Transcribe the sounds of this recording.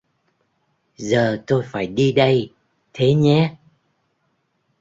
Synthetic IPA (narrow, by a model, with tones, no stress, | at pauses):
zəː˨˩t̪o˧jfaː˧˩jɗi˧ɗə˧j | t̪ʰe˨˦ɲɛ˨˦